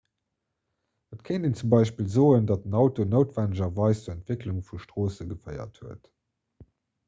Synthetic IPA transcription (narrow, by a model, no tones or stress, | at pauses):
ətkʰeɪndiːnt͡sumbɑɪʃpiːlzoːəndɑt̚ənɑʊtonəʊtv̥ænəʒɐvɑɪst͡suːɛntv̥ekluŋfuʃtʁoːsəɡəfəɪɐ̰thuət